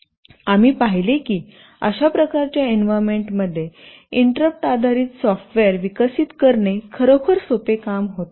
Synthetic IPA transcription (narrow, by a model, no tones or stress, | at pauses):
amiːpaɦilekiː | ə̰ɕapɾəkaɾt͡ɕjaenʋaɾmeɳʈməd̪ʱːje | iɳʈɾəp̚ʈad̪ʱaɾiːt̪sɔfʈʋeəɾʋikəsiːt̪kəɾɳekʰəɾokʰəɾsopekamɦot̪